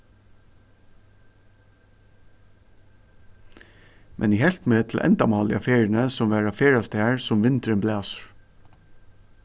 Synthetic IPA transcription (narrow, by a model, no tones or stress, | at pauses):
mʔɛ̰nɪhɛlt̪meːt̪ʰl̩ʔɛ̰nd̪ɑmɑːlɪ̰ɑ̰feːɹənəsɔmʋæːɹɑfeːɹɑst̪eːaɹsɔmʋɪnt̪ɾənblæːsə̥ɹ